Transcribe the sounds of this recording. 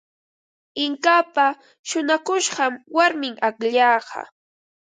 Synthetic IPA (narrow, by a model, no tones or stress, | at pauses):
ɪŋkapa | ʃʊnakʊʃɢɑmwaɾmɪŋakʎɑːɢɑ̰